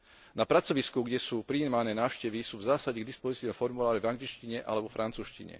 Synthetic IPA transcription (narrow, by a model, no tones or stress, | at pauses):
napɾat͡sɔʋiskuɡɟɛsuːpɾiːmanɛːnaːʊʃcɛʋisuːvzaːsaɟɛɡd̪ispɔzit͡siːnɔfɔɾmulaːɾivaŋɡlit͡ʃciɲɛʔa̰lɛbɔfɾʔant͡suːʃcḭɲɛ̰